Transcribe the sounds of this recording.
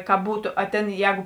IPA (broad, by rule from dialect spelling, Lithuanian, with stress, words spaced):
kɐ ˈbuːtʊ ɐ ˈtʲeːn ˈjɛːɡʊ